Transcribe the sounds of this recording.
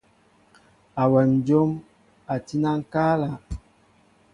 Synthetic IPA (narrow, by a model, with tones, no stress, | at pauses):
a˨wɛ˨n˨d͡ʒo˦m | a˨ti˦na˦ŋ˦ka˦la˨